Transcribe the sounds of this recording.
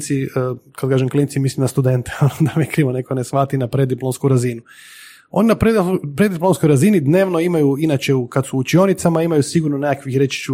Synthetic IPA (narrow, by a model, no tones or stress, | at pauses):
t̪sikad̪kaːʒemklint̪imislimnast̪ud̪e̞nt̪eonod̪amekɾiʋonekonesʋat̪inapɾed̪iplomskuɾazinu | o̞̰ninapɾepɾed̪iplˠo̞mskojɾazinid̪ne̞ːʋnoimajuinat͡ʃe̞ukad̪suːt͡ʃio̞nit̪samaimajusiɡuɾnonekakʋixɾet͡ʃi̥t͡ʃu